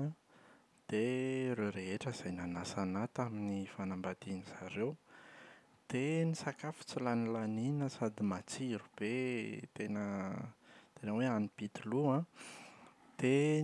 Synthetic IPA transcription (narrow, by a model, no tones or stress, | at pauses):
d̪̥eɾewɾeɦeʈ͡ʂəz̥ajnanasanat̪aminifanambad̪̥iniz̥aɾew | d̪̥enisakafu̥t͡silanilaninəsad̪imat͡siɾub̥et̪enə | t̪enəweanibit̪iluã | d̪̥e